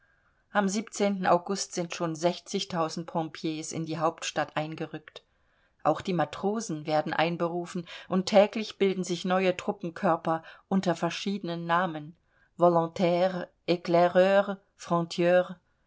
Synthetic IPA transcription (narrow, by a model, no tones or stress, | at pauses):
ʔamziːpt͡seːntn̩a̰ʊɡʊstz̥ɪntʃoːnzɛçt͡sɪçtʰaʊzn̩t̚pʰɔ̃pʰjeːsɪ̰ndiːɦaʊp̚tʃtatʔaɪnɡəʁʏkt | ʔa̰ʊxd̥iːmatʁ̥oːzn̩veːɐdn̩ʔa̰ɪnbəʁuːfn̩ʔʊntʰːɛːklɪçb̥ɪldn̩zɪçnɔʏətʁ̥ʊpm̩kʰœɐpɐʔʊntɐfɛɐʃiːdənənːaːmən | vɔlɔ̃tʰɛːʁ | ʔeklɛʁøːʁ | fʁ̥ɔ̃tʰjøːʁ